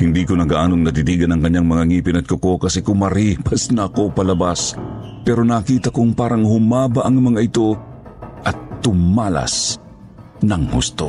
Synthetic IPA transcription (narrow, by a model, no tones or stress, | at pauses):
hɪnd̪iːkonɐɡaʔaːnoŋnɐt̪it̪iːɡɐnɐŋkɐɲːaŋmɐŋaŋiːpɪnɐt̪̚koko̞kɐsɛkʊmɐɾipɐsnɐɐko̞pɐlɐbaspɛɾo̞nɐkiːt̪ɐkʊŋpaːɾɐŋhʊmaːbaʔɐŋmɐŋaɪt̪o̞ | ʔɐt̪ːʊmaːla̰s | nɐŋhṵst̪o